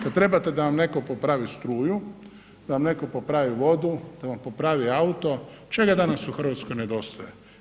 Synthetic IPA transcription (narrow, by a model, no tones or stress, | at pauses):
kad̪t̪ɾe̞bat̪e̞d̪aʋamne̞kopopɾaːʋist̪ɾuːju | d̪aʋamne̞kopopɾaːʋiʋo̞d̪ud̪̥aʋampo̞pɾaːʋiaut̪o̞t͡ʃe̞ɡad̪anasuxr̩ʋat̪skojned̪o̞st̪oje